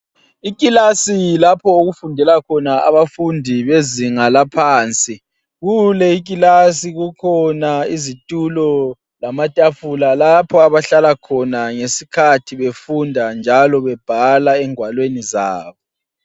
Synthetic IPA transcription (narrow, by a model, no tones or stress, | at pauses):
ik̬ʼilasilapʰɔuɣufundʱɛlakʰɔnaa̰βafundʱiβeziŋalapʰaːnt͡sʼi | ɣulɛik̬ʼilas̬iɣukʰɔnaizitʼulɔ | lamatʼafulalapʰɔaβaɬalakʰɔnaŋesikʰatʰiβefundʱand͡ʒʱalɔβɛb̥ʱalaɛŋwalwenizaːβɔ